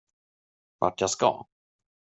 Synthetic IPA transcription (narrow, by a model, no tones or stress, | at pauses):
va̰ʈjaska̰